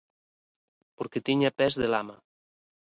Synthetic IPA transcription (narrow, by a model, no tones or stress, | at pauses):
poɾket̪iɲapɛzðelama